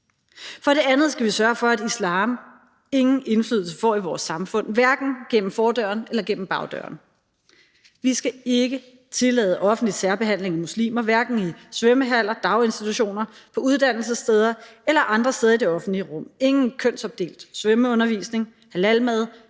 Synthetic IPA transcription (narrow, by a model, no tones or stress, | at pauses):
fɒ̽ɾ̥e̝ænð̞̩ˠsɡ̥æʋisɶːɐfɒ̽ædislɑ̈ːm | e̝ŋn̩e̝nfly̰ðˠl̩s̬əfɒ̰ːiʋɒːsːɑ̈mfɔ̽n̰ʋæɐɡ̥n̩ɡ̥en̰m̩fɒːd̥ɶɐnelɐɡ̥en̰m̩b̥ɑ̈ʊd̥œ̰ɐn | ʋisɡ̥æe̝ɡ̥ə | t͡sʰe̝lɛ̰ːð̞ˠəʔɒ̽fn̩dlisæɐb̥e̝ɦæn̰le̝ŋæmuslḭːmɐʋæɐɡ̥n̩isʋeməɦæl̰ɐd̥ɑ̈ʊe̝nsd̥it͡sʰuɕo̝̰ːnɐpʰɒ̽uð̞ˠd̥æn̰l̩səsd̥eð̞ˠɐelɐʔɑ̈nd̥ʁɐsd̥eð̞ˠɐid̥e̝ɒ̽fn̩d̥liəʁɔ̽m̰e̝ŋn̩kʰøn̰sɒ̽b̥̚d̥e̝̰ːld̥sʋøməɔ̽nɐʋḭːsne̝ŋ | hælælmæð̞ˠ